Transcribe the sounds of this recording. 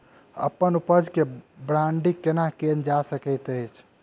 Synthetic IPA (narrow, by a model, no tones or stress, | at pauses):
ə̰pːənupəd͡ʒʱkebɾaɳɖikenakend͡ʒasəkəjt̪əjt͡ʃʰ